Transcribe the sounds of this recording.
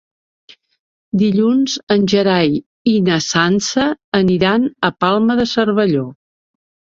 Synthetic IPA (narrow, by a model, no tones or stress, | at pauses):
d̪iʎunzənʲʒəɾaj | inəsansəːniɾanəpalˠməðəsərβəʎo